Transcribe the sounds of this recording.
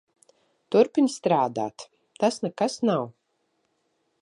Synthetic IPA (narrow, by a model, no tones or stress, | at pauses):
t̪uɾpʲinʲst̪ɾaːd̪a̰ːt̪ | t̪asnɛkasnaw